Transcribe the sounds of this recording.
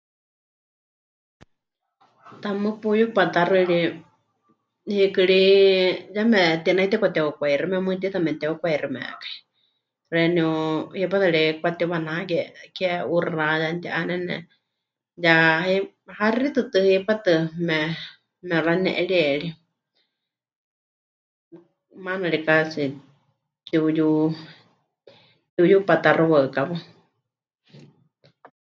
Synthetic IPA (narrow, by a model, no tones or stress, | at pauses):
t̪amɨpujupat̪aɾɨɺi | hikɨɺi | jamɛt̪inait̪ɛkʷat̪ɛukʷaiɾimɛmɨt̪it̪amɛt̪ɛukʷaiɾimɛ̰ʔkḁi̥ | rɛniuhipat̪aɺikʷat̪iwanaakɛkɛurajant̪iʔanɛnɛ̰ | jahi | haɾɾit̪ɨt̪ɨhipat̪ɨmɛ | mɛɾanɛ̰ʔɛɺiɛɺi | manaɺikasi | t̪iuju | t̪iujupat̪aɾuwaɨkaβa